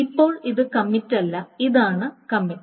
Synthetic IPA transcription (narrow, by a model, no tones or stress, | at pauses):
ipːo̞ːɭiðɨkɐmːitːɐlːɐiðaːɳɨkɐmːitː